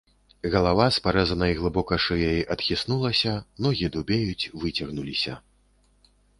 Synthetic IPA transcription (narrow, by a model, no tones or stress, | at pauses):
ɣɐlˠavaspaɾɛzɐnɐjɣlˠɨbɔkɐʂɨjajiʔɐt̪xʲisnulˠɐsʲɐnɔɣʲid̪ubʲejut͡sʲvɨt͡sʲɐɣnulʲisʲɐ